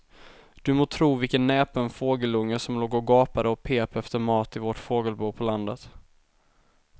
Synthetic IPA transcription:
d̪̥ɵmoːt̪ʰɾuːvɪlkənːɛːpʰɔɛnfoːɡəlɵŋːəʂɔmloːɡoːɡɑːpad̪əɔpʰeːpɛft̪əɾmɑːt̪ɪvɔʈfoːɡəlbuːpʰɔland̪ət̪

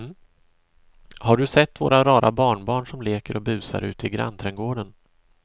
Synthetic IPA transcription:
haɖɵsɛt̪ːvo̰ːɾʔaɾɑːɾʔa̰bɑːɳbɑːɳʂɔmleːkəɾʔɔbʉ̟ːsa̰ɾʔʉ̟̰ːt̪əɪɡɾa̰nt̪ʰɾɛŋɡoːɖən

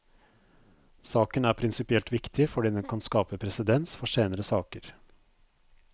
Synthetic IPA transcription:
sɑːkənæːɾpʰɾɪnsɪpɪɛlt̪ʋɪkt̪ʰɪfɔɖiːd̪ɛnkʰɑnskɑːpəpʰɾɛsəd̪ɛnsfɔʂeːnəɾəsɑːkəɾ

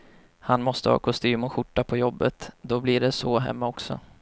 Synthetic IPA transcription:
hanmɔst̪əhɑ̰ːkʰʊst̪yːmɔɧʊʈːapʰɔjɔbːət̪d̪ɔblɪɖɛsɔːɦɛ̰mːaɔksɔ̰

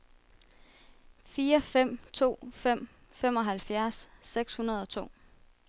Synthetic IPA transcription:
fiːɐfem̰t͡sʰo̝̰ːfem̰ | fem̰ɒ̽ɦælfjæɐsːeɡ̥shunɐð̞ˠɒ̽t͡sʰo̝̰ː

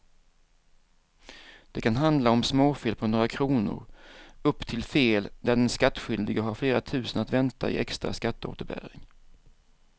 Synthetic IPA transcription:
d̪̥ɛkʰanɦand̪laɔmsmoːfeːlpʰɔnoːɾakʰɾuːnʊ̰ɾɵpːt̪ʰɪlfeːld̪æɖɛnskat̪ːɧʏld̪ɪɡəɦaɾfleːɾat̪ʰʉ̟ːsənat̪vɛnt̪ʰa̰ɪ̰ʔɛkst̪ɾa̰skat̪ːəo̰ːt̪əɾbæ̰ːɾɪ̰ŋ

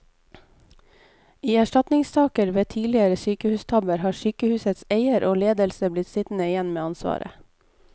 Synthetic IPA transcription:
iːæʃʈɑt̪nɪŋst̪ɑːkəɾʋeːt̪ʰiːlɪəɾəsyːkəhʉːst̪ʰɑbəɾhɑːʃyːkəhʉːsət̪seɪəɾʔoːleːd̪əlsəblɪt̪sɪt̪n̩əɪjɛnmeːɑnsʋɑ̰ːɾʔə̰

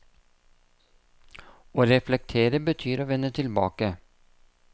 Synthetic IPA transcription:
oːɾɛflɛk̚t̪ʰeːɾəbət̪ʰyːɾoːʋɛnət̪ʰɪlbɑ̰ːkə

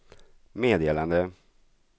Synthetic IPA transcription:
meːd̪eːland̪ə

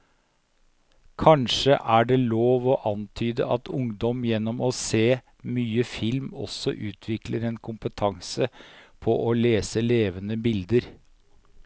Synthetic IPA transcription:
kʰɑnʂəʔæɖɛloːʋɔʔɑnt̪ʰyːd̪ə̰ʔɑt̪ʰʊŋd̪ɔmjɛnːɔmɔseː | myːəfɪlmɔ̰sɔʔʉːt̪ʰʋɪkləɾɛnkʰʊmpət̪ʰɑŋsəpʰɔʔɔleːsəleːʋənəbɪld̪əɾ

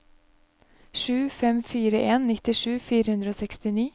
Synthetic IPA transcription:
ʃʉːfɛmfiːɾəʔeːnnɪt̪ɪʃʉːfiːɾəhʉnd̪ɾəoːsɛkst̪ɪniː

